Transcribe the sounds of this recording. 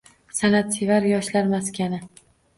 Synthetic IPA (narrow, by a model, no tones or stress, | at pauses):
sanat̪sevaɾjɒʃlaɾmaskʲanɪ